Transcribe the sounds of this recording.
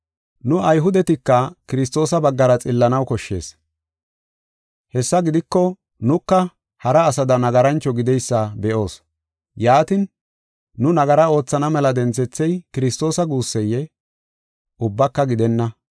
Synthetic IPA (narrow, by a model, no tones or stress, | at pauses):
nʊɐjɦʊd̪ɛt̪ɪkːɐkɪɾɪs̬t̪o̞ːsɐbɐɡːɐɾɐt͡sʼɪlːɐnɐwkɔʃːe̞̰ːs | hɛsːɐɡɪd̪ɪkːɔ | nʊkːɐ | hɐɾɐːsɐd̪ɐnɐɡɐɾɐnt͡ʃːɔɡɪd̪ɛjsːɐbɛʔo̞ːs | jaːt̪ɪnː | ʊnɐɡɐɾɐo̞ːt͡sːɐnɐmɛlɐd̪ɛnt͡sɛt͡sːɛjkɪɾɪst̪o̞ːsɐɡuːsːɛjːɛ | ʔʊbːɐkːɐɡɪd̪ɛnːɐ